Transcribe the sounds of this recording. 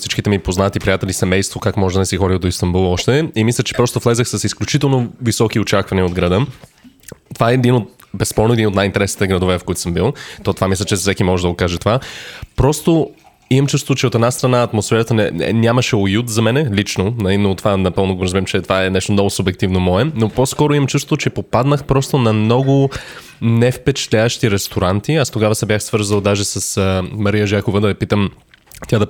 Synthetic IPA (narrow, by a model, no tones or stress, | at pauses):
sit͡ʃkit̪ɛmipoznat̪ipɾijat̪ɛlʲisɛmɛjst̪vokakmɔʒɛd̪ɐnɛsixɔɾiod̪oist̪əmbulˠɔʃt̪ɛimislʲət͡ʃɛ̥pɾɔst̪ʊflˠɛzəxsɐsisklʲut͡ʃit̪ɛlˠnovisɔkiot͡ʃakvɐniəod̪ɡɾɐd̪ə | t̪ovaɛːd̪inot̪̚bɛspɔɾnoɛd̪inot̪najint̪ɛɾɛsnit̪ɛɡɾɐd̪ovɛfkoit̪osəmbilˠt̪ɔt̪ovamislʲət͡ʃɛfsɛkimɔʒɛd̪ɐɡokaʒɛt̪ovapɾɔst̪o | imɐmt͡ʃust̪ot̪t͡ʃɛot̪ɛd̪nast̪ɾɐnaɐt̪mosfɛɾət̪ənɛɛnʲaməʃɛojut̪zɐmɛnɛlit͡ʃnonɐinot̪o̥vanɐpɤlˠnoɡoɾɐzmiɾimt͡ʃɛt̪ovaɛnɛʃt̪omnɔɡʊsʊbjɛk̚t̪ivnomɔɛnoposkɔɾoiməmt͡ʃust̪ot̪ot͡ʃɛpopad̪nəxpɾɔst̪onɐmnɔɡʊ | nɛfpɛt͡ʃɛ̥t̪lʲavəʃt̪iɾɛst̪oɾant̪iast̪oɡavəsɛbjaxsvɤɾzəlˠd̪aʒɛsɐsmɐɾijəʒakovəd̪ɐvɛpit̪əm | t̪ʲjad̪ɐ